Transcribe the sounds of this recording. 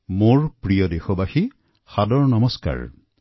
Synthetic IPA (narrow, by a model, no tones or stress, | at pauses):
moɹpɹijɔdexobaxi | xadɔɹnɔmɔska̰ɹ